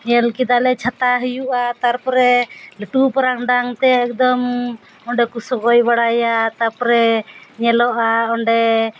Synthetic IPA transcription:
ɲɛlkid̪alɛt͡ʃʰat̪aɦəjuʔat̪aɾpɔɾɛləʈupɔɾaŋɖaŋt̪ɛːk̚d̪ɔm | ɔɳɖɛkusɔɡɔjbaɽajat̪aɾpɔɾɛɲɛlɔʔaɔɳɖɛ

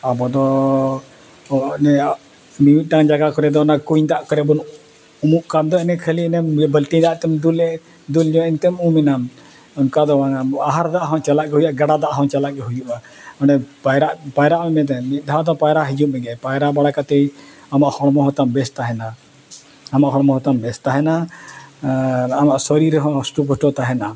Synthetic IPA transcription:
abɔd̪ɔ | nɛ | niwit̪̚ʈaŋd͡ʒaɡakɔɾɛd̪ɔɔnakuɲd̪aʔkɔɾɛbɔn | umuʔkand̪ɔɛnɛkʰəliɛnɛmbəlʈid̪aʔt̪ɛmd̪ul | d̪uld͡ʒɔɛnt̪ɛmumɛnan | ɔnkad̪ɔwaŋaaɦaɾd̪aʔɦɔ̃t͡ʃalaʔɡɛɦujaʔɡaɽad̪aʔɦɔ̃t͡ʃalaʔ̚ɡɛɦud͡ʒuʔa | ɔnɖɛpajɾaʔpajɾaʔmɛmɛt̪̬ɛmit̪̚ˀd̪ʱad̪ɔpajɾaʔɦid͡ʒuʔmɛɡɛpajɾaʔbaɽakat̪ɛj | amaʔhɔɽmɔɦɔt̪ambɛst̪aɦɛna | amaʔɦɔɽmɔɦɔt̪ambɛst̪aɦɛna | amaʔsɔɾiɾɛɦɔ̃sʈupɔʈɔt̪aɦɛna

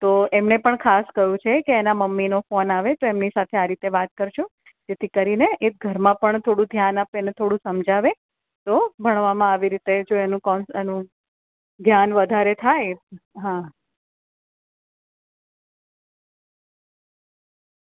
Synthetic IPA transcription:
t̪oemnepəɳkʰaskəjũt͡ʃʰekeːnaməmːinofonaʋet̪oemnisat̪ʰeaɾit̪eʋat̪̚kəɾʃu | d͡ʒet̪ʰikəɾineʔet̪̚ɡʱəɾmãpəɳt̪ʰoɽũd̪ʱjanapenet̪ʰoɽũsəmd͡ʒaʋe | t̪obʱəɳ̃ʋamãaʋiɾit̪ed͡ʒoenũkɔnenũ | d̪ʱjanʋəd̪ʱaɾet̪ʰajt̪ɦã

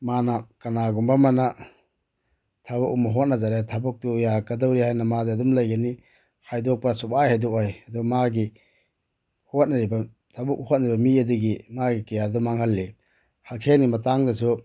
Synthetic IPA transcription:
manakɐnaɡumbamana | tʰabukumaɦot̚nɐzaɾetʰabuk̚tujakɐdawɾihajnɐmadeɐdumlɐjɡani | hajdok̚pɐsupajhajdɔkojɐduɡamaɡi | hot̚naɾiba | tʰabuk̚hot̚naɾibɐmiɐduɡimaɡikijadumaŋhalːi | haksʰenɡimɐtaŋdɐsu

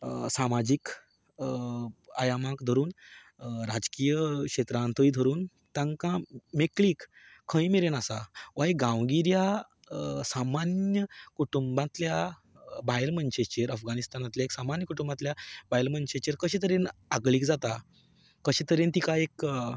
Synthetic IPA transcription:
samad͡ʑik | ajamãkd̪ʱəɾuːn | ɾad͡zkijəkɕet̪ɾãnt̪ʰəid̪ʱəɾuːn | t̪ãŋkãmekliːkʰː | ə̃jmeɾenasaʋajɡãwɡiɾja | samanjəkuʈumbãt̪lja | bajlmənɕet͡ɕeɾəfɡanist̪anat̪ljaeksamanjəkuʈumbãt̪ljabajlmənɕet͡ɕeɾkəɕet̪əɾenaɡliːkd͡zat̪a | kəɕet̪əɾent̪ikaek

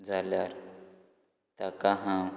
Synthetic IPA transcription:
d͡zʱaljaɾ | t̪akaɦã

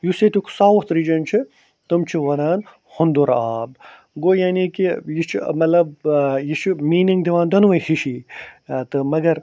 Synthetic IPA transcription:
juset̪ukʰsaːwut̪ɾiːd͡ʒɐnt͡ʃʰi | t̪ɨmt͡ʃʰiʋɐnaːn | hund̪uɾaːb̚ | ɡoːjaːnikijit͡ʃʰimɐt̪lɐb̚jit͡ʃʰimiːniŋɡd̪iʋãːnd̪ɐnʋɐjhiʃiːt̪ɨmɐɡɐɾ

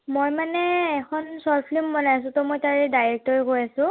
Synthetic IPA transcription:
mojmanɛːkʰɔnsɔɹpʰlimːɔnajas̬ʊ̃tɔmojtaɹɛdajɹɛk̚tɔɹiɦojasʊ̃

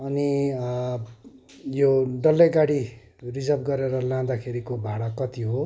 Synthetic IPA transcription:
ʌni | joɖʌlːeɡaɽi | rid͡zʌbɡʌɾeɾʌlãd̪akʰeɾikobʱaɽakʌt̪iɦo

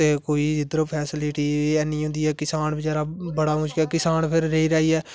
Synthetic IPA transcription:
t̪eːkoːiːd͡ʒɪd̪ɾoːpʰɛːsɪlɪʈiːɛːnĩːɦʊ̃nd̪iːɛːkɪsaːnbɪd͡ʒaːɾaːbəɽaːmʊʃkɛːkɪsaːnpʰɪɾːeiːɾaːiːɛː

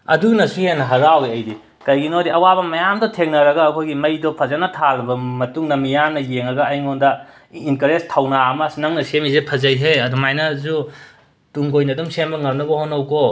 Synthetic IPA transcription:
ɐ̰dunɐsuhenːɐɦɐɾaweɐjdi | kɐjɡinodiʔɐwabɐmɐjamdɔtʰeŋnɐɾɐɡɐːkʰojɡimɐjdɔpʰɐzɐnɐtʰalbɐmɐtuŋnɐmijamnɐjeŋɐɡɐɐjŋondɐ | inkɐɾestʰɐwnaɐmɐsinɐŋnɐsemizepʰɐzɐjɦejɐdumajnɐzu | tuŋɡojnɐdumsembɐŋɐmnɐbɐhonːɐwko

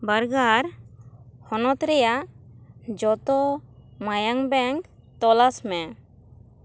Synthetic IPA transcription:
baɾɡaɾ | hɔnɔt̪ɾɛjaʔ | d͡ʒɔt̪ɔmajaŋbɛŋkt̪ɔlasmɛ

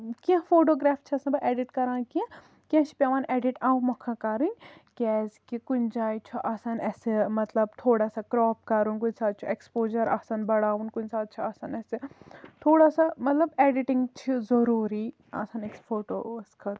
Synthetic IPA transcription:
kiãfoːʈoːɡɾaːft͡ʃʰiɐsɐnbɐʔɛːɖiʈkɐɾãːnkiã | kiãt͡ʃʰi̥pʲaʋaːnɛːɖiʈãːũmɐkʰːãkaɾunʲkʲɛːzkikund͡ʒaːjt͡ʃʰuʔɐsɐnɛːsemɐt̪lɐb̚t̪ʰoːɽaːsakɾɔːp̚kɐɾunkunsaːd̪̚t͡ʃʰuekspoːzɐɾɐ̰sɐnbɐɽaːʋunkunʲsaːd̪̚t͡ʃʰuɐsɐnɛset̪ʰoːɽaːsamɐt̪lɐbeːɖiʈiŋɡt͡ʃʰizɐɾuːɾi | ɐ̰sɐneksfoːʈo̰skʰɐl

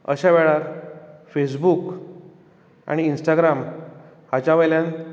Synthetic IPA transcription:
ə̰ɕaʋɛɭaɾfes̬buk | a̰ɽ̃iːnsʈaɡɾam | hat͡ɕaʋəjljãn

